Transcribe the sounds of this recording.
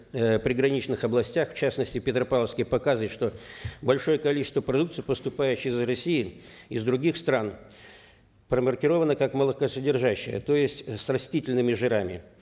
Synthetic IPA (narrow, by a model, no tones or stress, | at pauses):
pɾʲɪɡɾɐnʲit͡ɕnɨxɐblˠɐsʲtʲaxft͡ɕasnəsʲtʲɪpʲɪt̪ɾəpalˠəfskʲɪjpɐkazɨvəɪt̪ʂt̪o̞bɐlʲʂo̞jəkɐlʲit͡ɕɪst̪vəpɾɐd̪ukt̪sɨijpəst̪ʊpajɪt͡ɕɪzrɐsʲijɪɪzd̪ɾʊɡʲixst̪ɾan | pɾəmərkʲɪɾo̞vənəkakməlˠəkəsədʲɪrʐaɕːɪjə̰t̪o̞jɪsʲtʲsrɐsʲtʲitʲɪlʲnɨmʲɪʐɨɾamʲɪ